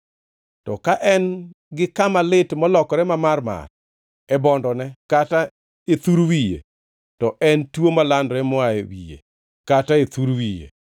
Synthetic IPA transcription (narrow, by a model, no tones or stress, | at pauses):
tɔkaʔɛn | ɡɪkamalɪtmɔlɔkɔɾɛmamarma̰r | ɛbɔndɔnɛkata | et̪uɾwijḛ | tɔʔɛntwomalandɾɛmwaewijḛ | kataet̪uɾwijḛ